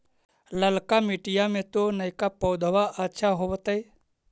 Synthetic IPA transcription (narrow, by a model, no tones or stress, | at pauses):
ləlkamiʈijamẽt̪onəjkapɔwd̪ʱʋaʔətːʃʰaɦoʋət̪əj